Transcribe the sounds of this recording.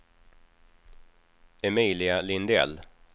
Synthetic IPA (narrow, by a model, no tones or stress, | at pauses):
ɛmiːlɪalɪnd̪ɛ̰l